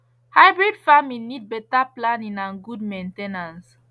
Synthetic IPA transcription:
haɪbɹidfamĩnːid̚bɛtaplãnĩnãnɡudmẽntenãns

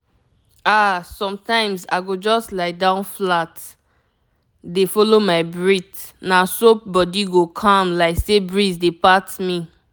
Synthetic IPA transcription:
asɔ̃mtãɪ̃mza̰ɪɡod͡ʒɔstlaɪdãʊ̃nflat | defɔlomaɪbɹit | nasop̚bɔdiɡokʰɔ̃mlaɪksebɹizdepatmi

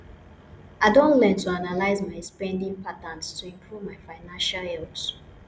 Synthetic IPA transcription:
aɪdõntlɛ̃ntʰuanalaɪzmaɪɛspɛ̃ndĩŋpʰatãnstʰuĩmpʰɹuvmaɪfaɪnãnʃalɛls

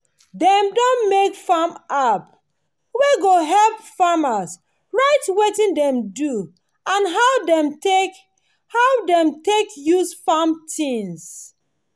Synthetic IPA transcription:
dɛ̃mdɔ̃nmekfamap | weɡoɦɛlp̚famas | ɹaɪtwetĩndɛ̃mdu | ãnɦadɛm | haʊdɛ̃mtekjusfamtĩŋs

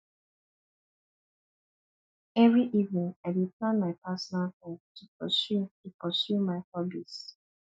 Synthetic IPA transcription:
ɛvɹiʔivnɪ̃ŋaɪbiplãnmaɪpasɔnalhɔtʰupɔ̰sutupɔsjumaɪhɔbis

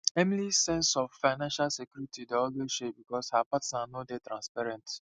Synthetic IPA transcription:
ɛ̃mlisɛ̃nsɔvfaɪnãnʃalsekjuɾitʰideɔloeʃebikɔshapatsnanodetɾãnspɛɾɛ̃nt

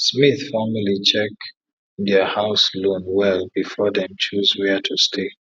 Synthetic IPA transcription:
smiθfɔməlit͡ʃɛk | dɛhaʊslõnwɛlbifɔdɛ̃mt͡ʃuzwɛtʰustʰe

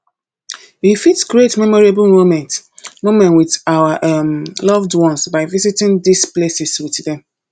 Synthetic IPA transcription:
wifitɡɹetmɛmɔɹabəlmomɛ̃ntmomɛ̃nwidawaʔmlɔvdwɔ̃nsbaɪvizitɪ̃ndisplesiswiddɛ̃m

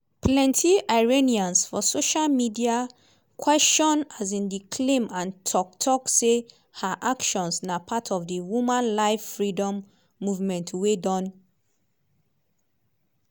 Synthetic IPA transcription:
plɛ̃ntʰiʔaɪɹeniãnsfɔsoʃalmidia | kʰwɛst͡ʃɔ̃nazĩndikʰlẽmãntʰɔk̚tʰɔkse | haʔakʃɔ̃nsnapʰatʰɔvdiwumãnlaɪfːɹidɔ̃mː | uvmɛ̃ntwedɔ̃n

